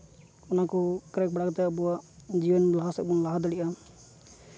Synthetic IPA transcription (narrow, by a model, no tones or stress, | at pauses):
ɔnakɔkɾɛk̚baɽakt̪ɛbuaʔd͡ʒiwənblaɦasɛk̚bɔnlaɦad̪aɽiʔa